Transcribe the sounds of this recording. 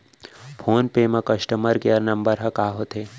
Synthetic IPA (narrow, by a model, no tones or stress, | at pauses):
pʰoːnpeːmɐkɐʃʈəməɾkeəɾnɐmbəɾɦɐkaːɦoːt̪eː